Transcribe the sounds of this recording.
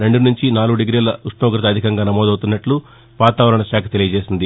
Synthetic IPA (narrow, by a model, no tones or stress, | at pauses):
ɾe̞ɳɖunuɲt͡ʃinaːluɡuɖeɡɾiːlɐuʂɳoːɡɾɐt̪̬ɐd̪ʱikɐŋɡaːnɐmɔːd̪ɐwt̪unːɐʈlu | ʋaːt̪aːʋɐɾɐɳɐʃaːkʰɐt̪e̞lijɐd͡ʒe̞ːsind̪i